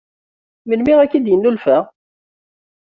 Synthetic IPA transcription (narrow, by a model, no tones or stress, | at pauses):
məlmɪʁækːid̪jənːulfæ